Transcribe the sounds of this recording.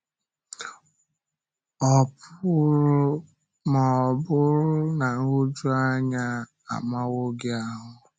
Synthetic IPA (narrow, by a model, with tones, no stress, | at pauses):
ɔ˨pʊ˦ɾʊ˦ | ma˨ɔ˨bʊ˦ɾʊ˦na˨ŋ̩˦u˦d͡ʒu˦a˦ɲa˦ | a̰˨ma˦wo˦ɡɪ˦a˦ɦʊ˨˦